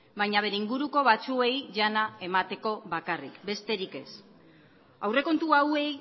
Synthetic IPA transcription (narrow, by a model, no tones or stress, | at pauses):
bajɲaβ̞e̞ɾe̞iŋɡuɾuko̞βat͡sue̞jʝanae̞mat̪e̞ko̞βakarḭkbe̞st̪e̞ɾike̞̰s | awre̞ko̞nt̪uawe̞j